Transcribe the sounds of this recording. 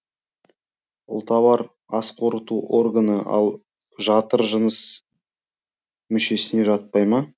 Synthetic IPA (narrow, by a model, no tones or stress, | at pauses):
ʊ̰lˠt̪ɑβɑɾ | ɑsqʰo̞ɾət̪uʔo̞rɡanəʔɑ̰lˠ | ʒɑt̪əɾʒənəs | mʏʃe̞sɪne̞ʒɑt̪̚pɑjmɑ